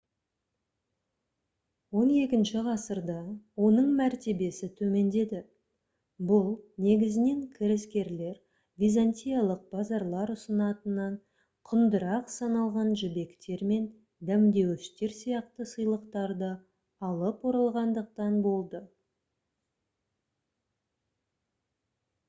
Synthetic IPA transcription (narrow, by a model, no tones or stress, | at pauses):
wo̞ne̞kʲɪnʃɪʁɑsəɾd̪ɑwo̞nəɴmæɾt̪e̞be̞sɪt̪ʰɵme̞nd̪e̞d̪ɪ | bʊlˠne̞ɡʲɪzɪne̞ŋkʲʰɪɾɪskʲe̞ɾle̞ɾ | vʲijzanʲt̪ʲijɑlˠəq̚b̥ɑzɑɾlˠɑɾʊsənɑt̪ənɑɴ | qʰʊnd̪əɾɑqsɑnɑlˠʁɑnʒʏbe̞kt̪e̞ɾme̞n | d̪æmd̪e̞wɪʃt̪e̞ɾsijɑqt̪əsəjlˠəqt̪ɑɾd̪ə | ɑlˠəpwoɾɑlˠʁɑnd̪əq̚t̪ɑnbo̞lˠd̪ə